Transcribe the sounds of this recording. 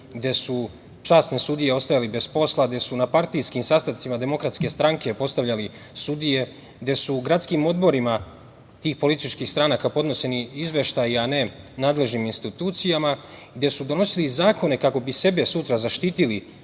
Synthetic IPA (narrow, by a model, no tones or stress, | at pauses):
ɡd̪e̞su | t͡ʃaːsne̞sud̪ije̞o̞st̪ajalibe̞spo̞slˠaɡd̪e̞sunapaɾt̪ijskimsast̪ant̪simad̪e̞mo̞kɾat̪ske̞st̪ɾaŋke̞po̞st̪aʋʎalisud̪ije̞ | ɡd̪e̞suɡɾat̪skiːmo̞d̪bo̞ɾima | t̪iːxpo̞lit̪it͡ʃkiːxst̪ɾanakapo̞d̪no̞se̞niizʋe̞ʃt̪ajiane̞ | naːd̪le̞ʒniminst̪it̪uːt̪sijama | iɡd̪e̞sud̪o̞no̞silizaːkʰo̞ne̞kako̞bise̞be̞sut̪ɾazaʃt̪iːt̪ili